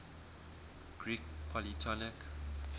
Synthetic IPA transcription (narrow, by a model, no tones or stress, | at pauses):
ɡ̥ɹik̚pʰɔlitʰɔlɪk